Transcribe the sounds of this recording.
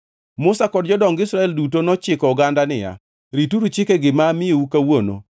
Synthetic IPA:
mʊsakɔd̚d͡ʒɔdɔŋɡɪsɾaɛldutonɔt͡ʃɪkɔʊɡandanɪja̰ | ɾituɾut͡ʃɪkeɡɪmaːmɪoukawono̰

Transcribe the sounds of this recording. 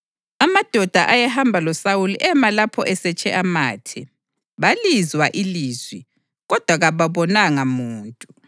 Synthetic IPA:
amad̥ʱɔd̥ʱaʔajaɦambʱalɔsawulɛmalapʰɔ̰ʔɛsɛt͡ʃʼɛʔamaːtʰɛ | βalizwaʔiliːzwi | ɣɔd̥ʱwaɣaβaβɔnaŋamuːntʼu

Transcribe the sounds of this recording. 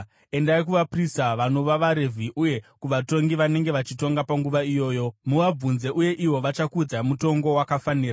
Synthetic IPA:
e̞ndaik̬uʋapristaʋano̞ʋaʋaɾe̞vʱiʔuje̞kuʋato̞ŋɡiʋane̞ŋɡe̞ʋat͡ʃito̞ŋɡapaŋɡuʋaijo̞ːjo̞muʋab͡vunze̞ʔuje̞ʔiwo̞ʋat͡ʃakud͡zamuto̞ŋɡo̞wakafaniːra

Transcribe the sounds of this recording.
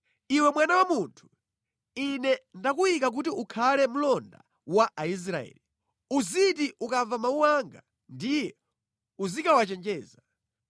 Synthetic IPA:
iwɛmwanawamuntʰu̥ | inɛndakuikak̬ut̬iukʰalɛm̩lɔnda̰ | waʔais̬ɾaɛ̰ːli | uzitiʔukavamauwaŋɡa̰ | ndijɛ | uzikawat͡ʃɛnd͡ʒɛːza

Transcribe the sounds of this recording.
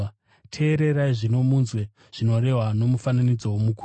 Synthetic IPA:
tʰe̞ːɾe̞ɾaiʐino̞munzwe̞ | ʐ̥ino̞re̞ɦwano̞mufananid͡zo̞womukʰu

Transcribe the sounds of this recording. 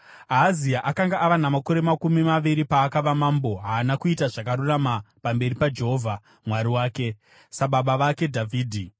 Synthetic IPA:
aːziaʔakaŋɡaʔaʋanamako̞ɾe̞makumimaʋiɾipaːkaʋamaːmbo̞ɦaːnakuitaʐakaɾuramapambe̞ripad͡ʒe̞ɦoːvʱa | mwaɾiwaːke̞ | saɓaɓaʋake̞dʱavʱiːdʱi

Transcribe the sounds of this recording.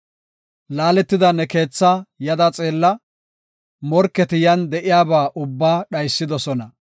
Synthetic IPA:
laːlɛt̪ːɪd̪ɐnɛke̞ːt͡sːajɐd̪ɐt͡sʼe̞ːlːɐ | mɔɾkːɛt̪ɪjɐnd̪ɛʔɪjaːbaːʔʊbːaːɗɐjsːɪd̪ɔsɔnɐ

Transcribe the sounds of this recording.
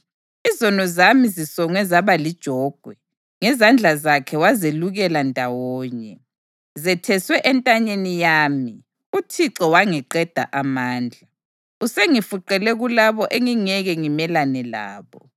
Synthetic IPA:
izɔnɔzamizisɔŋwɛzaβalid̥ʒ̥ʱɔːɡ̥ʱwɛ | ŋɛzand͡ɮʱazakʰɛwazeluɣɛlandʱawɔːɲɛ | zɛtʰɛswɛʔɛntʼaɲenijaːmi | utʰiǀɔwaŋɛǃɛd̥ʱa̰ʔamaːnd͡ɮʱa | useŋifuǃɛlɛɣulaβɔʔeŋiŋɛɣɛŋimɛlanɛla̰ːβɔ

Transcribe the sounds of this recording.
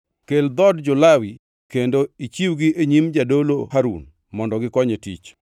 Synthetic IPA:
keld̪ɔdd͡ʒʊlawi | kendoit͡ʃiwɡiʔeɲimd͡ʒadolohaɾṵn | mɔndɔɡɪkɔɲetḭt͡ʃ

